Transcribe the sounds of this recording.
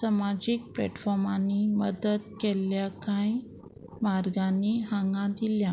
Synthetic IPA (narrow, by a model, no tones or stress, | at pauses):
samad͡ʑiːk̚plɛ̰ʈfɔɾmaniməd̪ət̪keljakãj | maɾɡãnːiɦãŋɡãd̪ilja